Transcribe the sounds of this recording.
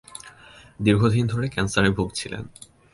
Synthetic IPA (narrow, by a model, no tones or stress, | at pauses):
d̪iɾɡʱod̪ʱind̪ʱoɾekɛnsaɾebʱuɡt͡ɕʰilḛn